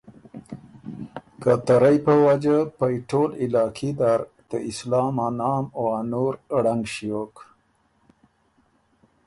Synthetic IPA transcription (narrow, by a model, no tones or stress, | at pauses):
kət̪aɾajpəwad͡ʒapajʈolɪlɑkʰid̪aɾt̪əɪslɑmanɑːmoanuɾɽaŋɡʃiok